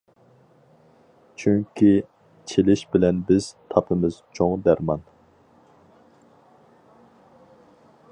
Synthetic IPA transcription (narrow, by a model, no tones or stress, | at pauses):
t͡ʃʰyŋkʲʰi | t͡ʃʰelɪʃbɪlɛnbɪz̥t̪ʰɑpʰɨmɨzt͡ʃʰoŋd̪æɾmɑn